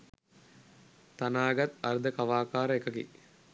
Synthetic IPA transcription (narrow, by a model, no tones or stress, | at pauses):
t̪anaːɡat̪ɐɾd̪əkaʋaːkaːɾəekəkḭ